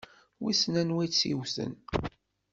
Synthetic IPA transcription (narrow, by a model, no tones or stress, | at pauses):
wisnænwæjsiwθə̰n